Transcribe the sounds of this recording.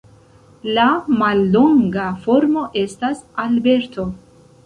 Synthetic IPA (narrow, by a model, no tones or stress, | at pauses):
lamalːo̞ŋɡafo̞ɾmo̞ʔe̞stasalbe̞ɾtʰo̞